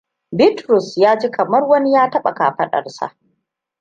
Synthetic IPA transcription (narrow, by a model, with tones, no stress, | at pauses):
bɪ˦tɾʊ˨sjaː˦d͡ʒiː˦kɐ˨mɐ˦rwɐ˦ni˦jaː˦tɐ˦ɓa̰˨ka̰ː˨ɸɐ˦ɗɐ̰˨rsa̰˨ʔ